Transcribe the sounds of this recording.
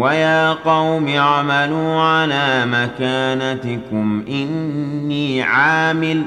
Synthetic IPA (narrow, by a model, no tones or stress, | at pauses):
wajaːqɑwmɪaʕmaluːʕalaːmakaːnat̪ɪkʊmʔɪnːiːʕaːmɪl